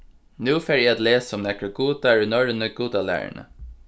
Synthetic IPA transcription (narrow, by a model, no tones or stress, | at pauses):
nʉːfeːɾjæɪat̪leːsəɔmnɛkəɡuːd̪aɹʉnɔɹənəɡuːd̪ɑlæ̰ːɹə̰ɳə̰